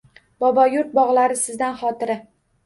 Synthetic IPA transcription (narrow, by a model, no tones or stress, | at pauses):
bɒbɒjʊɾt̪̚bɒʁlˠaɾɪsɪzd̪anχɒt̪ʰɪɾɪ